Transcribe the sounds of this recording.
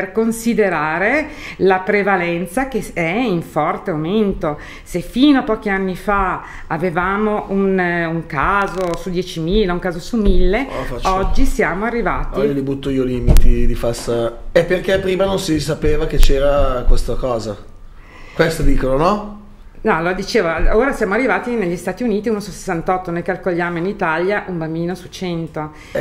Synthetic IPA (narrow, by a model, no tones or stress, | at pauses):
perkonsid̪eɾaːɾe | lapɾevalɛnt̪sak̟eɛiɱfɔrt̪eaoment̪o | sefiːnoapɔːk̟ianːifa | avevaːmoʔunuŋkaːzosud̪jɛːt͡ʃimiːlauŋkaːzosumilːefat͡ʃːɔd͡ʒːisjaːmoarːivaːt̪ilibut̪ːoiːoliːmit̪id̪ifasaepːerkepːɾiːmanonsisapeːvaket͡ʃɛːɾakwest̪akɔːza | kwest̪od̪iːkononɔ | naload̪it͡ʃeːvooːɾasjaːmoarːivaːt̪ineʎːist̪aːt̪iuniːt̪iuːnosuse̥sːant̪ɔt̪ːonojkalkoʎːaːmoinit̪aljaʔumbambiːnosut͡ʃɛnt̪o